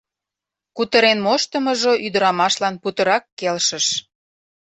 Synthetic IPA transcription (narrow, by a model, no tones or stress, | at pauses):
kut̪əɾenmoʃt̪ə̆mə̆ʒoʔyd̪ə̆ɾɑmɑʃlɑnput̪ə̆ɾɑkːelʃə̆ʃ